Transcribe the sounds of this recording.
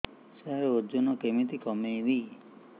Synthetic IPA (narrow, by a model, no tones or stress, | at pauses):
seɦaɾeod͡ʒonɔkemit̪ikɔmejli